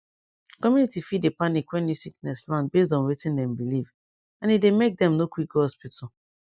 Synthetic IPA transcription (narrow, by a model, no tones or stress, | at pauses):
kɔmjunitifidepanikwɛ̃nisik̚nɛslãnd̚bes̬dɔ̃nwetĩndɛ̃mbiliv | ãnidemek̚dɛ̃mnokwikhɔspitʰa